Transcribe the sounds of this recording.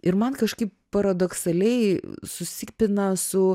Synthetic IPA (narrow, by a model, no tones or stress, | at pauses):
ɪɾmɐnkɐʃkɐɪppɐɾɐd̪oksɐlʲɛɪsʊsʲɪkpʲɪnɐsʊ